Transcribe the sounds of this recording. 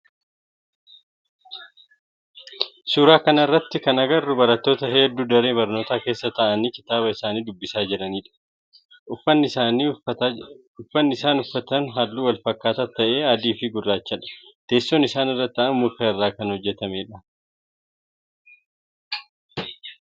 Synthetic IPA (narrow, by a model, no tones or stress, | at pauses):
suːɾaːkɐnɪrːɐt̪ːɪkɐnɐɡɐrːʊbɐɾɐt̪ːo̞ːt̪ɐɦeːd̪ːuːd̪ɐɾe̞ːbɐɾno̞ːt̪aːke̞ːsːɐt̪ɐʔɐniːkɪ̥t̪aːbɐɪsaːniːd̪ʊbːɪsaːd͡ʒɪɾɐniːᶑɐ̥ | ʊfɐnːɪni | ʊfːɐnːɪɪsaːnʊfːɐt̪ɐnɦaːlːuːwɐlfɐkːaːt̪ɐt̪ːɐʔe̞ːaːd̪iːfɪɡʊrːaːt͡ʃːɐᶑɐ̥t̪e̞ːsːoːnɪsaːnɪrːɐt̪ːɐʔɐnmʊkːɐɪrːaːkɐnhɔd͡ʒːɛt̪ɐmeːᶑɐ